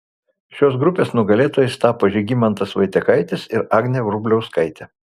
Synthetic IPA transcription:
ʃʲoːsɡɾʊpʲeːsnʊɡɐlʲeːt̪oːjɛst̪ɑːpoʒʲɛɡʲimɐnt̪ɐsʋɐɪt̪ʲɛkɐɪt̪ʲɪsɪɾɑːɡnʲeːʋɾʊbʲlʲɛʊskɐɪt̪ʲɛ

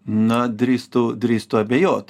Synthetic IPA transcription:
nɐd̪ɾʲist̪ud̪ʲɾʲiːst̪ʊɐbʲɛjoːt̪

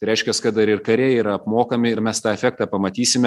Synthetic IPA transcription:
ɐɪɾʲɛɪʃʲkʲɛskɐt̪̚d̪ɐɾɪɾkɐɾʲeːiːɾɐɐpmoːkɐmʲɪɪɾmʲɛst̪ɑːɛfʲæk̚t̪ɑːpɐmɐt̪ʲiːsʲɪmʲɛ

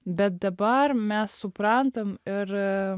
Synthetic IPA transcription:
bɛd̪ɛbaɾmɛssupɾant̪əmɪɾ

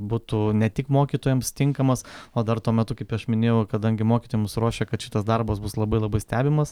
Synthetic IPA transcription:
buːt̪unʲɛt̪ʲɪkmoːkʲiːt̪oːjɛmst̪ʲɪŋkɐmɐsoːd̪ɐrt̪uɔmʲɛt̪ʊkɐɪpʲɐʃmʲɪnʲeːjɛʊkɐd̪ɐŋʲɡʲɪmoːkʲi̥t̪oːjɛmsɾoːʃʲeːkɐt̪ʃʲɪt̪ɐsd̪ɐrbɐsbʊslˠɐbɐɪlˠɐbɐɪsʲt̪ʲæːbʲɪmɐs

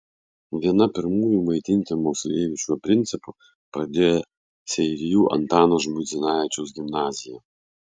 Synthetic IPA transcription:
ʋʲiɛnɐpʲɪɾmuːjumɐɪt̪ʲɪnʲt̪ʲɪmɔːsʲlʲeːʋʲɪt͡ʃʲupʲɾʲɪnʲt̪sʲɪpʊ | pɾɐd̪ʲeːjɛ | sʲɛɪɾʲɪjuːʔɐ̰nt̪ɑːnoʒmʊd̪zʲɪnɑːʋʲɪt͡ʃʲɛʊsʲɡʲɪmnɑːzʲɪjɛ

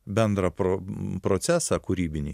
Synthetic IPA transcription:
bʲɛnd̪ɾɐpɾopɾot̪sʲæːsɑkuɾʲiːbʲɪnʲḭ

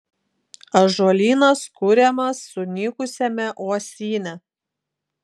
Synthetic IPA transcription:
ɐʒolʲiːnɐskʊɾʲɛmɐsːʊnʲiːkʊsʲɛmʲɛʔoɔsʲiːnʲɛ

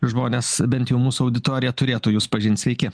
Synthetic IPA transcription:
ʒmoːnʲeːsbʲɛnt̪jɛʊmuːsʊɐʊd̪ʲɪt̪oːɾʲɪjɛt̪ʊɾʲeːt̪ʊːjuːspɐʒʲɪnʲt̪sʲʋʲɛɪkʲɪ

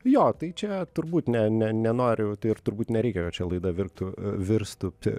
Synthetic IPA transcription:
joːt̪ɐɪt͡ʃʲɛt̪ʊɾbuːt̪nʲɛnʲɛnʲɛnoːɾʲɪt̪ɐɪɪrt̪ʊɾbuːt̪nʲɛɾʲɛˑɪkʲɛkɐt̪̚t͡ʃʲɛlˠɐɪd̪ɐʋʲɪrkt̪ʊʋʲɪɾst̪ʊpʲɪ

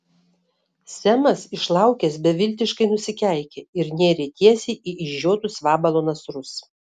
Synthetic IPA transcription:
sʲɛmɐsɪʃlˠɐˑʊkʲɛsbʲɛʋʲɪlʲt̪ʲɪʃkɐɪnʊsʲɪkʲæˑɪkʲeːɪɾnʲeːɾʲeːt̪ʲiɛsʲɛɪʔiːʔɪʒʒʲoːt̪ʊsʋɑːbɐlˠoːnɐsɾʊs

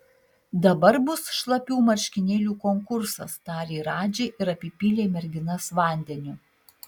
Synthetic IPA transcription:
d̪ɐbɐɾbʊsʃlˠɐpʲuːmɐɾʲʃʲkʲɪnʲeːlʲuːkɔŋkʊɾsɐst̪ɑːɾʲeːɾɑːd͡ʒʲeːʔɪɾɐpʲɪpʲiːlʲeːmʲɛɾʲɡʲɪnɐsʋɑˑnʲd̪ʲɛnʲʊ

